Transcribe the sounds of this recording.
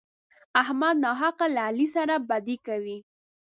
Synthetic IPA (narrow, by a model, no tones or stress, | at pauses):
ahmad̪nɑɦaqalaːlisaɾabad̪ikawi